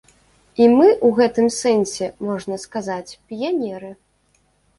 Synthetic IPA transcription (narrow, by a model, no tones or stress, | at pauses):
imɨʔwɣɛt̪ɨmsɛnsʲɛmɔʐnɐskazat͡sʲpʲijanʲɛɾɨ